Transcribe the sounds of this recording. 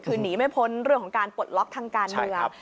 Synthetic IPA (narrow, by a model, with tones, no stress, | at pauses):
kʰɯː˧niː˩˦ma˥˩jpʰo˦˥nɾɯ˥˩ŋʰɔ˩˦ŋkaː˧npo˨˩t̪̚lɔ˦˥k̚t̪ʰaː˧ŋkaː˧nm˧ɯ˧əŋ